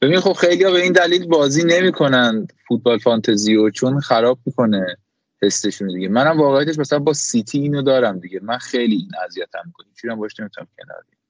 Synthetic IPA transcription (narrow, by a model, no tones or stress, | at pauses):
b̥ebinid̪χo̞b̥xe̞jlijɒbeiːnd̪æliːlbɒːziːne̞miːkʰo̞nænd̪fut̪̚bɒːlfɒnt̪ʰeziot͡ʃʰonxæɾɒːb̚mikʰo̞ne̞ | he̞st̪e̞ʃund̪iɟe̞mænæmvɒːɣejæt̪e̞ʃ̬mæsælæmbɒsit̪ʰiːiːnod̪ɒːɾæmd̪iɟemænxejliinæzijæt̪ʰæ̰mːikʰonit͡ʃʰiɾæmbɒʃne̞mit̪ʰuna̰mcʲʰe̞nɒ̰ːɾḭ